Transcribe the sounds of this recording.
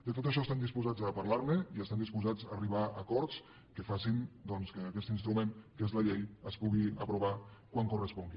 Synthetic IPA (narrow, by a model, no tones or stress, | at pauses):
d̪ət̪ot̪əʃ̬ɔest̪and̪ispuzad͡zəpaɾlaɾməiəst̪and̪ispuzad͡zariβaəkɔɾt̪t͡s | kəfasind̪ɔnskəːkɛst̪inst̪ɾumẽŋkezləʎejəspuɣiəpɾuβakwaŋkurəspɔŋɡi